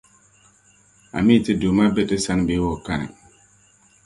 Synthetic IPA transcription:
a̰˨mi˦˨te˦do˨ma˦be˦˨te˦sa˦n˨be˨˦wɔ˨ka̰˦˨

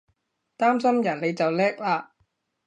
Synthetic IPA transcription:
t̪aː˥msɐ˥mjɐ˨˩nle˨˧jt͡sɐ˨wlɛː˥k̚laː˧

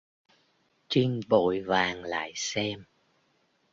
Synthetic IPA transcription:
t͡ɕi˧ŋɓo̰˧˨jvaː˨˩ŋla̰ː˧˨jsɛ˧m

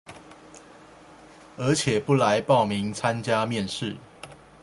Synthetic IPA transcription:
ə˨˧˥t͡ɕʰjɛ˨˩pu˥˩la˨˦ɪpɑ˥˨ʊmi˨˦ŋt͡sʰa˦nt͡ɕja˦mjɛ˥˨nʂɻ̩˥˨

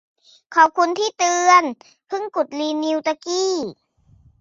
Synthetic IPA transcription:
kʰɔː˨˩w̚kʰu˧nt̪ʰiː˥˩t̪ɯː˧ən | pʰɯ˥˩ŋku˨˩t̪̚liː˧nːiː˧wt̪a˧kiː˥˩

